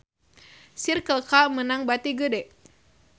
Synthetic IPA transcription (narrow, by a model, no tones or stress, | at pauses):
sirkəlkamənaŋbat̪iɡədɛʔ